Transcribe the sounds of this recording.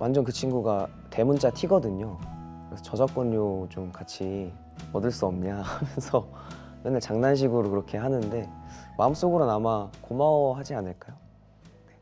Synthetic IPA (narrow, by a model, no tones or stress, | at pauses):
wʔand͡ʑʌnkɯt͡ɕʰinɡuɡa | te̞mund͡ʑatʰiɡʌdɯɲokɯɾesʰʌt͡ɕʌd͡ʑak͈ʌnːot͡ɕomkat͡ɕʰi | ʌdɯɭs͈uʌmɲakmjʌnsʰʌ | jenːaɭt͡ɕaŋnanɕ̬ʰiɡuɾokɯɾʌkʰe̞ɦanɯnde̞maɯms͈oɡɯɾonamakomawʌɦad͡ʑianɯɭk͈ajo | ne̞